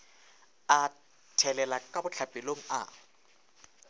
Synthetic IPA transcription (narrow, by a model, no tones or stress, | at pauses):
a | tʰɛlɛlakʼabʊt͡ɬʰab̥ʱɪloŋ̩a̰